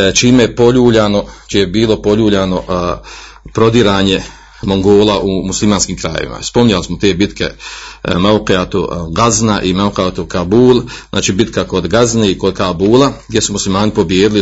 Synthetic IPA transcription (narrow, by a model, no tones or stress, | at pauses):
t͡ʃiːmejepo̞ʎuːʎaːno̞t͡ʃijebiːlo̞po̞ʎuːʎaːno̞ | pɾo̞d̪iɾaːɲe̞ | mo̞ŋɡo̞ːlaʔumuslimaːnskiːmkɾajḛʋḭma̰spo̞mɲalismot̪e̞ːbit̪ke̞̰mauqeat̪ṵɡaznaʔimauqat̪ukabuːlˠzʔa̰ːt͡ʃiːbit̪kako̞d̪ɡazneiko̞d̪kabuːlˠaɡd̪jesumuslimaːnipo̞bjeːd̪ili